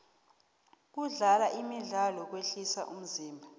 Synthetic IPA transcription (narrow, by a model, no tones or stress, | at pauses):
k̬uɮalaʔimiɮalɔk̬weɬisa̰ʔum̩ziːmbʱa